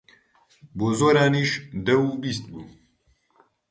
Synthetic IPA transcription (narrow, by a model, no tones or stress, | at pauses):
boːzoːɾaːniːʃd̪ɛwubist̪̚buː